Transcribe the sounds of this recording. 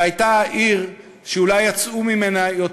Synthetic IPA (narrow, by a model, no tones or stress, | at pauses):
ajtaʔiʁ | ʃeulajːat͡sumime̞najo̞t